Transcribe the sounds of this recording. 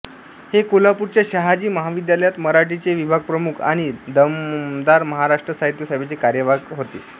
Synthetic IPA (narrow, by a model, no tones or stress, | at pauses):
hekolapuɾt͡ɕjaɕaɦad͡ʑiːməɦaʋid̪jaləjat̪məɾaʈit͡seʋibʱaɡ̚pɾəmukʰa̰ɽ̃id̪əmd̪aɾməɦaɾaʂʈɾəsaɦit̪jəsajbʱet͡sekaɾjəʋaɡɦot̪ḛ